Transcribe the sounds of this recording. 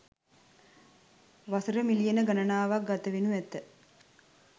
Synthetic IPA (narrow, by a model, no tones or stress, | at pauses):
ʋasəɾəmilijenəɡanənaːʋak̚ɡat̪əʋenuæt̪ə